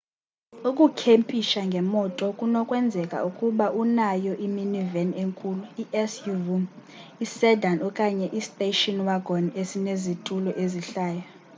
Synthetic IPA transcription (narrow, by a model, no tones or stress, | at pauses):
ukʼukʰempʼiʃaŋɡʱɛmɔtʼɔkʼunɔkʼwɛnd͡zʱɛkʼa̰ukʼuɓaʔunajɔʔiminiveneŋkʼuluiʔɛsjuvu | isɛdʱanɔkʼaɲɛʔistʼeʃɔnwaɡʱɔnesinezitʼulɔʔeziɬaːja